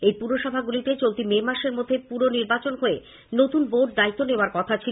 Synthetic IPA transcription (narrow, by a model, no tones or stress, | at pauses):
ejpuɾoʃɔbʱaɡulit̪et͡ɕolt̪imemaʃeɾmod̪ʱːepuɾoniɾbat͡ɕonɦoe | not̪unboʈ̚d̪ait̪ːoneoaɾkɔt̪ʰat͡ɕʰi